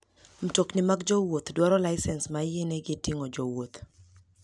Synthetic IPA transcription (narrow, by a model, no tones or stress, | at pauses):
m̩toknɪmaɡd͡ʒɔwot̪dwaɾɔlaɪsɛnsmaɪjeneɡɪtiŋɔd͡ʒowot̪